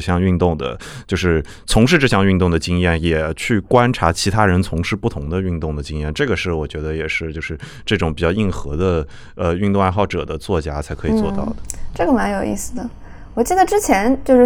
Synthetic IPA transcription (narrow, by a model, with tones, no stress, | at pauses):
ɕjɑ˥˧ŋy˥˧nt̪ʊ˥˩ŋd̪ə̰˩ | t͡ɕjo˥˧ʊʂɻ̩˥˩ | t͡sʰʊ˧˥ŋʂɻ̩˥˧ʈ͡ʂɤ˥˧ɕjɑ˥˧ŋy˥˧nt̪ʊ˥˩ŋd̪ə˩t͡ɕi˥ŋjɛ˥˩njɛ˨˩t͡ɕʰy˥˩kwa˥nʈ͡ʂʰa˧˥t͡ɕʰi˧˥t̪ʰa˥ɻə˧˥nt͡sʰʊ˧˥ŋʂɻ̩˥˧pu˥˩t̪ʰʊ˧˥ŋd̪ə˧y˥˧nt̪ʊ˥˩ŋd̪ə˩t͡ɕi˥ŋjɛ˥˩nʈ͡ʂɤ˥˩ɡə˩ʂɻ̩˥˩wɔ˨˩t͡ɕɥɛ˧˥d̪ə˧jɛ˨˩ʂɻ̩˥˧t͡ɕjo˥˧ʊʂɻ̩˥˧ | ʈ͡ʂɤ˥˩ʈ͡ʂʊ˧˥ŋpi˨˩t͡ɕjɑ˥˧i˥˩nxɤ˧˥d̪ə˧ | ə˧y˥˧nt̪ʊ˥˧ŋa˥˧nxɑ˥˩ʊʈ͡ʂɤ̰˨˩d̪ə˦t͡swɔ˥˩t͡ɕja˥t͡sʰa˧˥ɪkʰɤ˧˥i˨˩t͡swɔ˥˧t̪ɑ̰˥˩ʊd̪ə˩ʈ͡ʂɤ˥˩ɡə˩ma˧˥njo˨˩ʊḭ˥˩sɹ̩˩d̪ə˩ | wɔ˨˩t͡ɕi˥˩d̪ə˩ʈ͡ʂɻ̩˥t͡ɕʰjɛ˧˥nt͡ɕjo˥˧ʊʂɻ